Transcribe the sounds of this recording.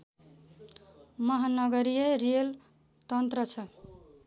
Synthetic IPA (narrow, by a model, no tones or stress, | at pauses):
mʌɦanʌɡʌɾijeɾiel | t̪ʌnt̪ɾʌt͡sʰʌ